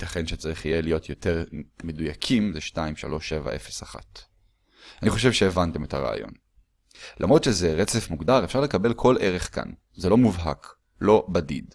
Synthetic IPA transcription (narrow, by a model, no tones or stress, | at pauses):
t̪aχe̞nʃet͡saʁiχijelijo̞tjo̞te̞ʁme̞dujakʰimzeʃtaimʃa̰lo̞ʃe̞va̰ʔe̞fesaχa̰t | aniχo̞ʃ̬e̞vʃeːvante̞me̞taʁa̰a̰jo̞̰n | lʔa̰mʁo̞dʃezeʁet͡se̞fmuɡdaʁefʃaʁlekabe̞lkʰo̞lʔe̞ʁe̞χka̰n | zelo̞muvɦak | lo̞badḭd